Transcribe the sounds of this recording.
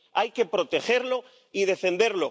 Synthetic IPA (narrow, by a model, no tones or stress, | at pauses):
ajke̞pɾo̞t̪e̞xe̞ɾlo̞ | ið̞e̞fe̞nd̪e̞ɾlo̞